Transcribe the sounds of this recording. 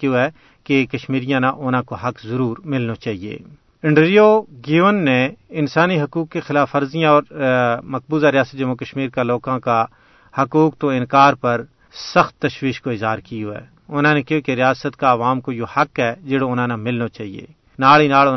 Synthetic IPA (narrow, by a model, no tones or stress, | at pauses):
kjoɦɛ | kekɐʃmiːɾijãnaʔʊnãkoɦɐkzɐɾuːɾmɪlnat͡ʃaːɦiḛː | ɪ̃ɳɖɾioɡiːʋənːeɪnsaːniɦɐkuːkːexɪlaːfɐɾzijãɔːɾmɐk̚buːzaɾɪjaːsət̪̚d͡ʒɐmːukəʃmiːɾkaloːkãka | hɐkuːk̚t̪oɪ̃nkaːɾpɐɾ | sɐxt̪ːɐʃwiːʃkoɪzɦaːɾkioɦɛ̰ː | ʊnãnekjokeɾɪjaːsət̪kaɐʋaːmkojohɐkɦɛd͡ʒɪɽoʊnãnamɪlnat͡ʃaːɦiḛː | naːɭinaːɭ